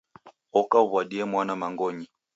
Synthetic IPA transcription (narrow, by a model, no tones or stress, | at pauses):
ɔkauvwaɗiɛmwanamaŋɡɔɲi